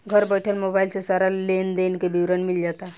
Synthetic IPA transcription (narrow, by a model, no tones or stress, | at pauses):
ɡʱəɾbəɪʈʰəlmoːbaːɪlsesaːɾaleːnd̪eːnkebiwɾənmɪld͡ʒaːt̪aɛ